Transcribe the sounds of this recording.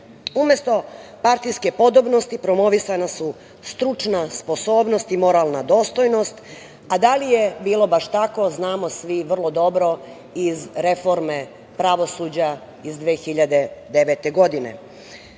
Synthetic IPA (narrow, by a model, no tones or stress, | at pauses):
umest̪o̞paɾt̪ijske̞po̞d̪o̞bnost̪ipɾo̞mo̞ʋisanasu | st̪ɾut͡ʃnaspo̞so̞ːbno̞st̪imo̞ɾalˠnad̪o̞ːst̪o̞jno̞st̪ | ad̪alijebiːlo̞baʃt̪ako̞znaːmo̞sʋiʋr̩lˠo̞d̪o̞bɾo̞ | izɾe̞fo̞ɾme̞ | pɾaʋo̞suːd͡ʑa | izd̪ʋeːxiʎad̪e̞d̪eʋet̪e̞ɡo̞d̪inḛ